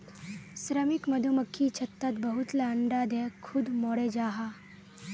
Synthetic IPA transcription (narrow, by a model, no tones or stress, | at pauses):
sɾəmikmɐd̪ʱuməkʰːit͡ʃʰɐt̪ːat̪bəɦut̪laːɳɖaːd̪ʱekʰud̪moɽed͡ʒaːɦa